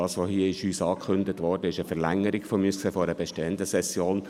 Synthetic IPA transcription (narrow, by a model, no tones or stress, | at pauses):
ɑːsʋohiəɪʃyːsɑːkʰχʏndətʋɔɾdəɪʃəfəɾlæŋːəɾɪɡfɔmyːskseːfɔɾəbɛʃteːənd̪əsɛsjoːn